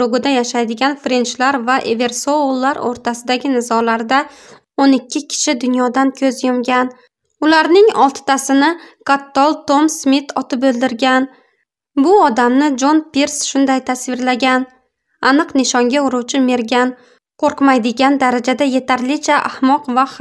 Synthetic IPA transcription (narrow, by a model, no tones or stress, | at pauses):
ɾʊɡɪd̪ajaʃajd̪ɪɡʲanfɾent͡ʃlaɾvaʔeve̞ɾsolˠːaɾo̰ɾt̪ʰasɪd̪aɡʲɪnɪzɒlaɾd̪a | onɪkʲʰːɪkʲʰɪ̥ʃɪd̪ʊnjɒd̪ankʲʰɵzjomɡʲan | ʊlaɾnɪŋɒ̰lˠt̪ʰɪ̥t̪ʰasɪnɪkat̪ːɒlˠt̪o̞msmɪt̪ʰɒt̪ʰɪpɵlˠd̪ɪɾɡʲan | bʊɒd̪amnɪd͡ʒo̞npeɾsʃʊnd̪ajt̪ʰasvɪɾlaɡʲan | anɨqnɪʃɒŋɡʲaʊɾʊwt͡ʃʰɪme̞ɾɡʲan | qʰoɾqmajd̪ɪɡʲand̪aɾad͡ʒad̪aje̞t̪ʰaɾlɪt͡ʃʰaʔa̰hmɒqva